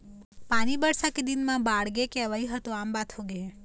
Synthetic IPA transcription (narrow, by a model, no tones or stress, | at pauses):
panibəɽsaked̪inmãbaɽɡekɛʋajɦət̪õambat̪ʰoɡee